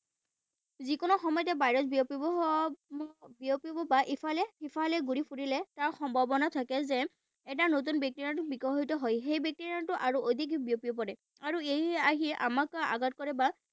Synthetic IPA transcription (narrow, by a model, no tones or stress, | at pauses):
zikʊnɔxɔmɔjtɛbajɹɔsbiopibɔ | biopibɔbaʔipʰalɛipʰalɛɡuɹipʰuɹilɛtaɹxɔmbʱabɔnatʰakɛzɛ | ɛt̬anot̬unbjɛk̚tiɹantubikɔɦɔjtɔɦɔjxejbjɛk̚tiɹiantʊʔaɹuʔod̪ʱikbijopiop̬ɔɹɛ | aɹuejaɦiɛʔamakaʔa̰ɡat̚kɔɹɛba